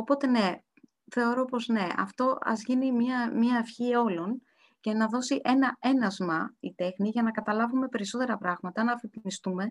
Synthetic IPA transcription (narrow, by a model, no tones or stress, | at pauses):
o̞po̞t̪e̞ne̞ | θe̞o̞ɾo̞po̞zne̞ɐ̰ft̪o̞ɐ̰zʝinimɐmiɐːfçio̞lo̞n | ce̞nɐðo̞siʔe̞nɐe̞nɐzmɐit̪e̞xniʝɐnɐkɐt̪ɐlɐvume̞pe̞ɾiso̞t̪e̞ɾɐpɾɐɣmɐt̪ɐnɐːfit̪imist̪ume̞